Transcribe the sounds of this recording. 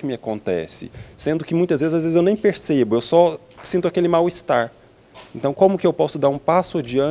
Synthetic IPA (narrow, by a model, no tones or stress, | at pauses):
kɪmɪakõnt̪ɛ̰sɪ̰sẽnd̪ʊkɪmũj̃t̪ɐzvezɪzazezɪzewnẽj̃peɾsebʊewsɔ | sĩnt̪ʊakelɪmawist̪aɾ | ẽnt̪ɐ̃w̃kõmʊkɪewpɔsʊd̪aɾũpasʊad͡ʒiɐ̃